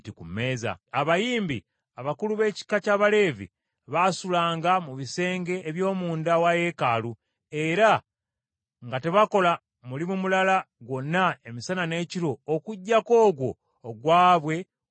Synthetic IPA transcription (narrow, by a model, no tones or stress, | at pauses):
tikumːe̞ːza̰aβajiːmbi | aβakuluβe̞ːci̥kacaːβale̞ːvḭ | βasulaːŋɡamuβise̞ːŋɡe̞ʔːβjo̞ːmuːndawaje̞kaːlu | e̞ɾa | ŋɡate̞βako̞la | mulimumulala | ɡwo̞nːae̞misanane̞ːciɾo̞ːkuɟːako̞ːɡwo̞ː | ɡwaːβwe̞